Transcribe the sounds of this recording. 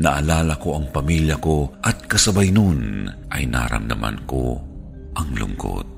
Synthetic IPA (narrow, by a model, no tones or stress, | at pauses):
nɐʔalaːlakoʔɐŋpamiljɐkoʔɐt̪̚kɐsɐbajnonʔɐjna̰ɾa̰md̪ɐma̰nko | ʔɐŋlʊ̰ŋko̰t̪̚